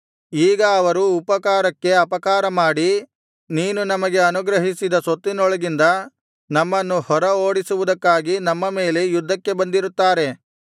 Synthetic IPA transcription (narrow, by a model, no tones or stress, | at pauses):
iːɡɐːʋɐɾuːpɐkaːɾɐkːe̞ɐpɐkaːɾɐmaːɽi | niːnunɐmɐɡe̞ɐnuɡɾɐɦisid̪ɐsot̪ːinɔɭɐɡind̪ɐ | nɐmːɐnːuhɔɾɐoːɽisuʋud̪ɐkːaːɡinɐmːɐme̞ːle̞jud̪ːɐkːe̞bɐnd̪iɾut̪ːaːɾe̞